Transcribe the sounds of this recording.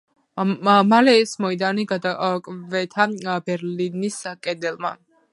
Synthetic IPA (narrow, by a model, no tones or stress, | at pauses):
malɛːsmɔid̪aniɡad̪akʼvɛt̪ʰabɛɾliniskʼɛd̪ɛlˠma̰